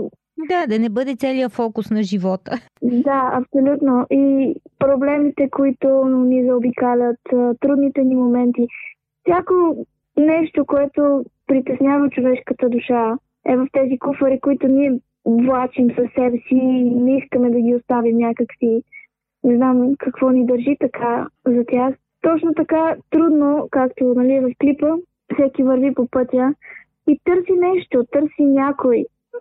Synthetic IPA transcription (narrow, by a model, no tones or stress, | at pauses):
d̪ad̪ɐnɛbɤd̪ɛt̪sɛlijəfɔkusnɐʒivɔt̪ə | d̪aɐ̰psolʲut̪noʔipɾoblɛmit̪ɛkoit̪onʊnizɛobikalʲət̪ət̪ɾud̪nit̪ɛnimomɛnt̪i | fsʲjako | nɛʃt̪okoɛt̪opɾit̪ɛsnʲjavət͡ʃovɛʃkət̪əd̪uʃa | ɛvəft̪ɛzikufəɾikoit̪ʊniɛ | vlˠat͡ʃimsɐsːɛbɛsiːnɛiskəmɛd̪ɐɡʲiost̪avimnʲakəksi | nɛznamkɐkvɔnid̪əɾʒit̪ɐkʰazɐt̪ʲax | t̪ɔt͡ʃnot̪ɐkat̪ɾud̪nokakt̪onɐliɛvɐfklipə | fsɛkivəɾvipopɤt̪ʲə | it̪ɤɾsinɛʃt̪ot̪ɤɾsinʲakoj